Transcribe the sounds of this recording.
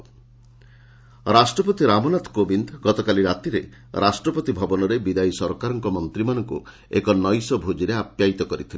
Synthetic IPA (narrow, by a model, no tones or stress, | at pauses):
ɾasʈɾɔpɔt̪iɾamɔnat̪ʰkobind̪ʱɡɔt̪ɔkaliɾat̪iɾe | ɾʔasʈɾɔpɔt̪ibʱɔbɔnɔɾebid̪ajsɔɾɔkaɾɔŋkɔmɔnt̪ɾimanɔŋku | ḛkɔnɔjsɔbʱud͡ʒiɾeapjait̪ɔkɔɾit̪ʰile